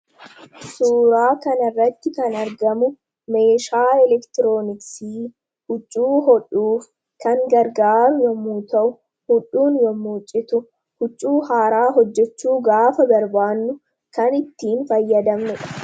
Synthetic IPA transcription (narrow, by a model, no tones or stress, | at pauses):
suːɾaːkɐnɐrːɐt̪ːɪkɐnɐɾɡɐmʊ | me̞ːʃaːɛlɛkt̪ɪɾoːnɪksiː | hʊt͡ʃʼːuːɦɔᶑuːf | kɐŋɡɐɾɡaːɾʊjɔmuːt̪ɐʔʊ | hʊᶑuːnjɔmuːt͡ʃʼɪt̪ʊ | hʊt͡ʃʼːuːhaːɾaːɦɔd͡ʒːɛt͡ʃːuːɡaːfɐbɐɾbaːnːʊ | kɐnɪt̪ːiːnfɐjːɐd̪ɐmnɛᶑɐ̥